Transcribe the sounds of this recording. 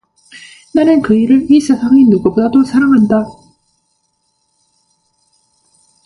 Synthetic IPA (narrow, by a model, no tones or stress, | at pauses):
naɾeŋkɯiɾɯʔiːsasaŋinːokɯbɯd̪at̪osaɾaŋand̪a